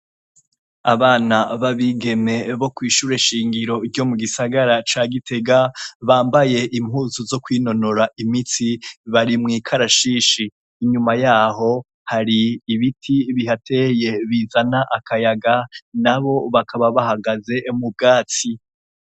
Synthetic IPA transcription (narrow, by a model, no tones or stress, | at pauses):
a̰βaːnaβaβiɡe̞me̞βo̞kwiːʃuɾeʃiːŋɡiɾo̞ɾɟo̞muɡisaɡaɾat͡ʃaːɡite̞ɡaβaːmbaje̞ʔimhuːzuzo̞kwiːno̞noɾaʔimit͡siβaɾimŋiːkʰaɾaʃiːʃiː | ɲumajaːɦo̞ | haɾiːβitʰiβihatʰe̞je̞βizanaʔakajaɡanaβo̞βakʰaβaβahaɡaze̞mub̚ɡaːt͡si